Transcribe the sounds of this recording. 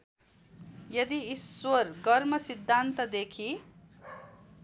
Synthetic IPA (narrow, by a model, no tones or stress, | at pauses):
jʌd̪iiswʌrɡʌɾmʌsid̪ʱːant̪ʌd̪ekʰi